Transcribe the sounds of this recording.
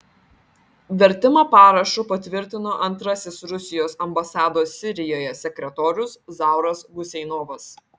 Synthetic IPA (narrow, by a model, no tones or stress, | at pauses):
ʋʲɛɾʲt̪ʲɪmɐpɑːɾɐʃʊpɐt̪ʲʋʲɪɾʲt̪ʲɪnoːʔɐnt̪ɾɐsʲɪsɾʊsʲɪjoːsɐmbɐsɑːd̪oːsːʲɪɾʲɪjoːjɛsʲɛkʲɾʲɛt̪oːɾʲʊszɑˑʊɾɐsɡʊsʲɛɪnoːʋɐs